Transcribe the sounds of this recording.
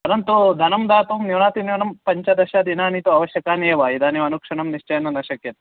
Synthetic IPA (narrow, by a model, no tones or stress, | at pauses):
pɐɾɐnt̪ud̪ʱɐnɐmd̪aːt̪uːmniʋɳaːt̪inewnɐmpɐɲt͡ʃɐd̪ɐʃad̪inaːnit̪uɐʋɐʃjɐkaːneːʋaːid̪aːniʋɐnukʂɐɳɐmniʂt͡ʃɐjɐnːɐnɐʃɐkjɐt̪